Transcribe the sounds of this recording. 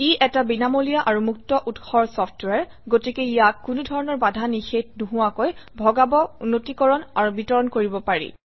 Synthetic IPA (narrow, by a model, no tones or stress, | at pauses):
iʔɛtabinamolijaʔaɹumuk̚tɔʔutxɔɹsɔpʰtwaɹ | ɡotikeijakːunudʱɔɹɔnɔɹbadʱanixetnuɦʊwakojbʱɔɡabɔunotikɔɹɔnaɹubitɔɹɔnkoɹibɔpaɹḭ